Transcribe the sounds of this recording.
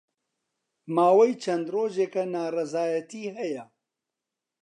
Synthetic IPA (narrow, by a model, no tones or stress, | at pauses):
maːwɛjt͡ʃʰɐnd̪roːʒeːkɐnaːrɛzaːjɐt̪iːɦɛjɐ